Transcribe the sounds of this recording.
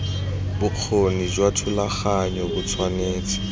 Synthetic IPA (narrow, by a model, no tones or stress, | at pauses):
bʊq͡χʰonid͡ʒwatʰʊlaχaɲɔbʊt͡sʰwaneːt͡sʼi̥